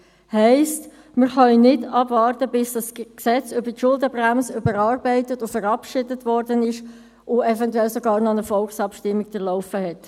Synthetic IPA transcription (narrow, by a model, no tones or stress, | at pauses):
hɛɪst | mɪɾχœnnɪdɑbvɑːrtəbɪsd̥ɑsksɛt͡sʏbətʃʊldəbræmsəʏbəɾɑːrbɛɪtətʊfəɾɑpʃɪdətvɔɾdənɪʃ | ʊɛvɛntwɛlsɔɡɑːɾnɔnəfɔlˠksɑpʃtɪmːiɡdəɾlɔʊfəhɛt